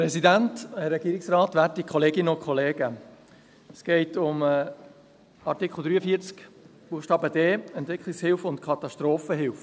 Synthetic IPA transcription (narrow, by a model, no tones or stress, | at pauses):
pɾɛsidænthɛɾːɛɡiːɾɪksrɑːtʋæːɾtikʰχɔleːɡɪnəʊnkʰχɔleːɡə | sɡ̥ɛɪtʊm | ɑɾtɪkχl̩ˠd̪ɾyːəfiːɾt͡sk | b̥uːʃtɑːbədeːɛntʋɪkχlɪkshɪlfʊntkʰɑt̪ɑʃtɾoːfəɦɪlf